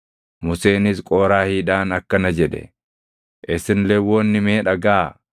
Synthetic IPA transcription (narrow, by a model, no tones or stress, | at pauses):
mʊse̞ːnɪskʼoːɾaːhiːᶑaːnɐkːɐnɐd͡ʒɛᶑ̪ɛ̰ | ʔɪsɪnlɛwːoːnːɪmeːᶑɐɡaː